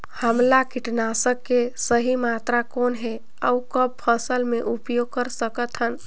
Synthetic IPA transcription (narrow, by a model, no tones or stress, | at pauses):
həmlakiʈnasəkːesəɦimat̪ɾakonɦe | əukəb̚pʰəsəlmeʔupjoɡ̚kəɾsəkət̪ɦən